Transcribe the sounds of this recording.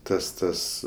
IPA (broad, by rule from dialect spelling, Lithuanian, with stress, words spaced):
ˈtɐs ˈtɐs